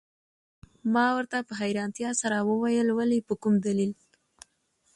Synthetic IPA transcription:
mɑwəɾt̪apəɦajɾɑnt̪jɑsaɾawəwajəlwalipəkumd̪alil

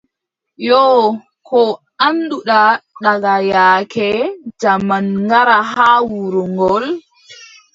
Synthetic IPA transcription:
jɔ | kʰɔ | anduɗaɗaɡajaːkʰɛd͡ʒamanŋɡaɾaɦaːwuɾuŋɡɔl

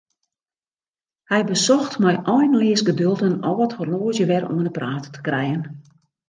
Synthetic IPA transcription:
hɛjbəsɔxtmɛjʔɔjnlɪəsɡədølˠtənɔʋɔthorloːzjəʋɛrɔ̰ənəpraːtətʰə̥krɛjən

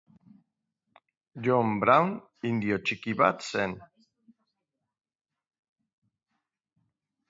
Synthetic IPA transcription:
d͡ʒombɾawn | ind̪iot͡ʃikiβa̰t̪sen

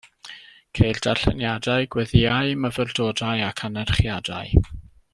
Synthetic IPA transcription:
kʰejrd̥aɬə̰njadaɨɡwɛðiaɨməvərdoːdajakʰanɛrχjada̰ɨ

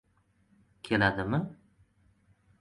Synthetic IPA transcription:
kʲʰelad̪ɪmɪ

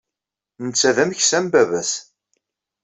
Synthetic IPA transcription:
nət͡sːæðæmçsæmbævæs

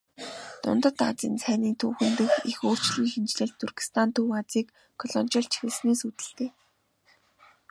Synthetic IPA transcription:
t̪ʊ̰nt̪ə̆t̪a̰t͡sḭːnsʰæːniːnt̪ʰuːxɘ̆nt̪ɘ̆xixoːr̥t͡ɕɮĭːŋxent͡ɕɮɘ̆ɮt̪ʰːurɣĭ̥st̪ʰant̪ʰuwat͡siːkːʰ | ɔɮɔnt͡ɕɪ̆ɬt͡ɕxesneːsut̪ɘ̆ɬt̪eː

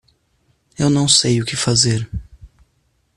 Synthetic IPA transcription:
ewnɐ̃w̃sejʊkɪfazeɾ

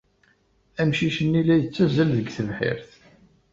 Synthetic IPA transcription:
æmʃiʃənːilæjət͡sːæzəlðəɡθəlħɪ̰ɾθ

